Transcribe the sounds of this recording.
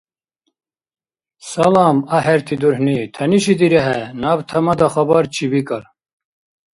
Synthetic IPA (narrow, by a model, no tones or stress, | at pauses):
sɐlɑːmɐɦɛɾt̪ʰid̪uɾhnit̪ʰɐniʃid̪iɾɛɦɛnabt̪ʰɐmɐd̪axɐbɐɾt͡ʃʰibikɐɾ